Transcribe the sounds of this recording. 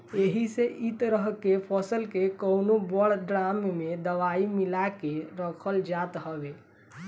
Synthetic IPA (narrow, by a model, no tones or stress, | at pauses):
eɦiseʔit̪ɾəɦkepʰɔsəlkekəwnobəɽɖɾammed̪əʋaimilakeɾəkʰəld͡ʒat̪ɦəbe